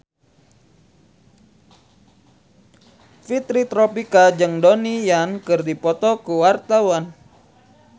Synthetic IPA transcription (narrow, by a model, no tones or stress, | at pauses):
fit̪ɾit̪ɾɔpikad͡ʒɨŋdonijankɨrdipɔt̪ɔkuwart̪awan